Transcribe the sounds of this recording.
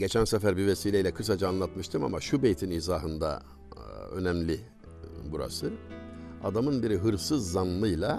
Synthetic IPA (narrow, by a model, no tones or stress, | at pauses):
ɟe̞t͡ʃʰænsɛfæɾbivesiːlʲejilʲɛkʰɯs̬ad͡ʒaːnlˠat̪mɯʃt̪ʰɯma̰maʃubejt̪ʰiniːzaːɦɯnd̪a̰ | ø̞̰nɛmlʲi | buɾa̰sɯ | a̰d̪amɯnbiɾiɦɯɾfsɯzːanlˠɯjlˠa